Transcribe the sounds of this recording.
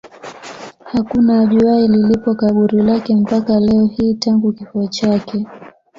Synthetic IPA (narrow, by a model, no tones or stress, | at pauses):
hakunaːʄiaililipɔkaɓuɾilakɛm̩pakalɛɔhiːtaŋɡukifuɔt͡ʃakɛ